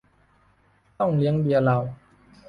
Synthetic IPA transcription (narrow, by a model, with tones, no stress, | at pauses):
t̪ɔ˥˩ŋli˨˦əŋbi˨˩ə˧la˨˩w